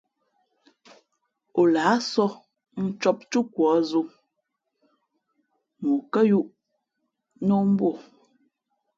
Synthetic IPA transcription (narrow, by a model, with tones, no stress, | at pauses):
o˨laː˨˦sɔ˦ | n̩˦t͡ʃɔ˦p̚t͡ʃu˦kwɔː˨˦zu˦ | mu˨kə˦ju˦ʔ | no˦m̩˦bo˦˨